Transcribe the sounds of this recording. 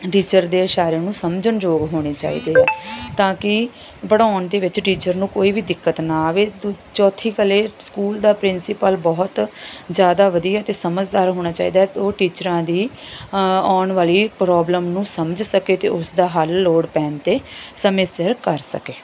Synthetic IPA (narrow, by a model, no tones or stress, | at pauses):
ʈiːt͡ʃəɾd̪eːəʃaːɾeːnũːsəmd͡ʒəɳd͡ʒoːɡɦoːɽ̃eːt͡ʃa̰ːḭːd̪eːɛːt̪ãːkɪ | bəɽãːnd̪eːʋɪt͡ʃʈiːt͡ʃəɾnũːkoːiːʋiːd̪ɪkːət̪naːʋeː | t͡ʃɔːt̪ʰiːkəleːskuːld̪aːpɾɪnsɪpəlbɔːt̪zjaːd̪aːʋəd̪iːɛːt̪eːsəməd͡ʒd̪aːɾɦoːñaːt͡ʃa̰ːḭːd̪aːɛt̪oːʈiːt͡ʃəɾãːd̪iː | ɔːɳʋaːliːpɾɔːbləmnũːsəməd͡ʒsəkeːt̪ḛːʔʊsd̪aːɦəlːoːɽpɛ̃ːnt̪eːsəmeːsəɾkəɾsə̰keː